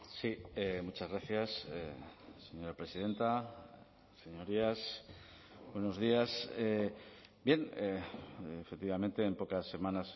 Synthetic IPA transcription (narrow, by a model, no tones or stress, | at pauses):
siemut͡ʃazɣɾaθjasḛse̞ɲo̞ɾapɾe̞siðe̞nt̪a | se̞ɲo̞ɾias | bwe̞no̞zð̞iasebje̞neefek̚t̪iβamẽ̞nt̪e̞ːmpo̞kasːe̞mãnas